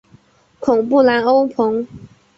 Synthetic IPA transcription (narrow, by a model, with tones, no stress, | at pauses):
kʰʊ˨˩ŋpu˥˨la˧˥no˥ʊpʰo˧˦ŋ